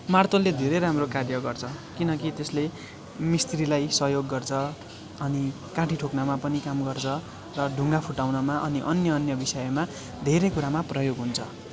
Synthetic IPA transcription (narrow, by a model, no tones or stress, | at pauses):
mart̪olːed̪ʱeɾejɾamrokarjʌɡʌrt͡sʰʌkinʌkit̪esle | mist̪rilajsʌɦjoɡːʌrt͡sʰʌ | ʌni | kãʈʰiʈʰoknamapʌnikamɡʌrt͡sʰʌ | rʌɖʱuŋɡapʰuʈawnʌmaʔʌniʔʌnjʌʌnjʌbisʌjʌma | d̪ʱeɾejkuɾamaprʌjoɡɦunt͡sʰʌ